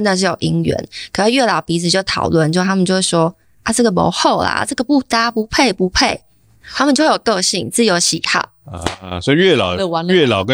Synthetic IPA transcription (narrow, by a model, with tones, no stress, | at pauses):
na˥˧ʂ̬̩˥˩jo˨˩ʊʔi˧˥ŋɥɛ̰˧˥˦nkʰə˨˩ʂi˥˧˩ɥɛ˥˩lɑ˨˩ʊpi˧˥t͡sʰɨ˨˩jo˥˩ʊt̪ʰɑ̰˨˩ʊlwə˥˩nt͡ɕjo˥˧˥a˥mə˨jo˥˧ʊwʂwɔ˥ | a˨ʈ͡ʂɤ˥˩ɡə˨˩mo̰˧˥ʊxo˥˩ʊla̰˨ʈ͡ʂɤ˥˩ɡə˩pu˥˩t̪a˥pu˧˥pʰe˥˩ɪpu˧˥pʰe˥˩ɪ | t̪ʰa˥mə˨t͡ɕjwe˥˩jo˨˩kɤ˥˧ɕi˥˩ŋt͡sɹ̩˥˩˨jo˧˥ʊɕi˨˩xɑ̰˥˩ʊ˧sɔ˧˥i˨˧ɥɛ˥˩lɑ̰˨˩ʊ˧˦ɛ˥˩lɑ˨˩ʊkə˦